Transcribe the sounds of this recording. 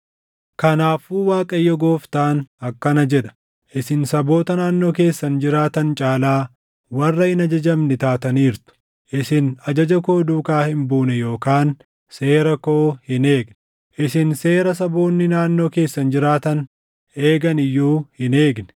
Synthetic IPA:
kɐnaːfuːwaːkʼɐjːɔɡoːft̪aːnɐkːɐnɐd͡ʒɛᶑɐ̥ | ʔɪsɪnsɐbo̞ːt̪ɐnaːnːo̞ːke̞ːsːɐnd͡ʒɪɾaːt̪ɐnt͡ʃʼaːlaː | wɐrːɐhɪnɐd͡ʒɐd͡ʒɐmnɪt̪aːt̪ɐniːɾt̪ʊ̥ | ʔɪsɪnɐd͡ʒɐd͡ʒɐkoːd̪uːkaːhɪmbuːnɛjo̞ːkaːn | se̞ːɾɐko̞ːhɪne̞ːɡnɛ | ʔɪsɪnse̞ːɾɐs̬ɐbo̞ːnːɪnaːnːo̞ːke̞ːsːɐnd͡ʒɪɾaːt̪ɐn | e̞ːɡɐnɪjːuːhɪne̞ːɡnɛ̥

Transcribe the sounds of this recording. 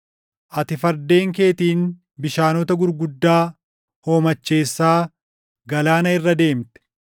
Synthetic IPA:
ʔɐt̪ɪfɐɾd̪e̞ːŋke̞ːt̪iːn | bɪʃaːnɔt̪ɐɡʊɾɡʊd̪ːaː | ho̞ːmɐt͡ʃːe̞ːsːaː | ɡɐlaːnɐɪrːɐd̪e̞ːmt̪ɛ̥

